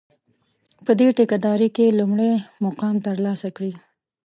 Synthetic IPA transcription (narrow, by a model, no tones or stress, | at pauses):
pəd̪eʈekad̪ɑɾikelumɽemoqɑmt̪əɾlɑsakɽi